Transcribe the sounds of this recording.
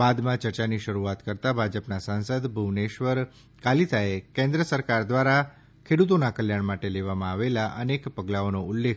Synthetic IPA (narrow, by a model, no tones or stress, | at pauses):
bad̪mãt͡ʃəɾt͡ʃaniʃəɾuat̪kəɾt̪abʱad͡ʒəpnasãnsəd̪bʱuʋneʃʋəɾ | kalit̪ʰaekẽnd̪ɾəsəɾkaɾd̪ʋaɾa | kʰeɽut̪̬onakəljaɳmaʈeleʋamãaʋelaʔənekpəɡlaonoʊlːekʰ